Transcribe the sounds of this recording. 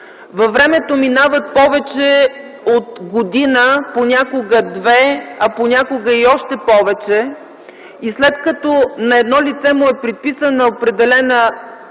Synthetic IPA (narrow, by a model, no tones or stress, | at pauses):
vɐvɾɛmɛt̪ominavət̪̚pɔvɛt͡ʃɛ | ot̪ɡod̪inəponʲakoɡəd̪vɛɐponʲakoɡəiɔʃt̪ɛpɔvɛt͡ʃɛ | islɛt̪kɐt̪ɔnɐɛd̪nɔlit̪sɛmʊɛpɾit̪̚pisənɐopɾɛd̪ɛlɛnə